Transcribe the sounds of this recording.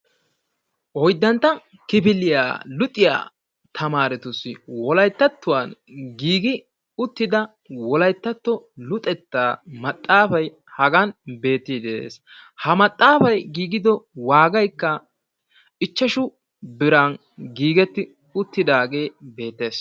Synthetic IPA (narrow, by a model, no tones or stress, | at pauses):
ʔɔjd̪ːɐnt̪ːɐ | kɪpɪlɪja̰ːlʊt̪ʼːɪja̰ː | t̪ʰɐmaːɾɛt̪ʊsːɪwɔlɐjt̪ːɐt̪ːʊwanɡiːɡɪ | ʊt̪ːɪd̪ɐ | wɔlɐjt̪ːɐt̪ːɔlʊt̪ʼɛt̪ːaːmɐt̪ʼːaːfɐj | hɐɡɐnbe̞ːt̪ːɪd̪ḛːs | hɐmɐt̪ʼːaːfɐjɡiːɡɪd̪ɔwaːɡɐjkːɐ | ɪt͡ʃːɐʃʊ | bɪɾɐn | ɡiːɡɛt̪ːɪ | ʊt̪ːɪd̪aːɡe̞ːbe̞ːt̪ːe̞ːs